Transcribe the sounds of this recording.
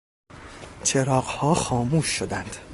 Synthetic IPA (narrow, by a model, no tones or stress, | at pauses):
t͡ʃʰeɾɒːɢhɒːxɒːmuːʃːod̪ænd̪̥